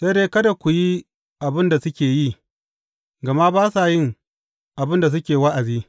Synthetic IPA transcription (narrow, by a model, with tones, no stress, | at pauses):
se˦deː˦kɐ˦da˨kʷu˨ji˦ | ʔa˨bɪ˦nda˨sʊ˦kʲeː˨ji˦˨ | ɡɐ˨ma˦baː˦sa˨jɪ˦˨ŋ | ʔa˨bɪ˦nda˨s̬ʊ˦kʲeː˨wa˦ʔa˨ziː˦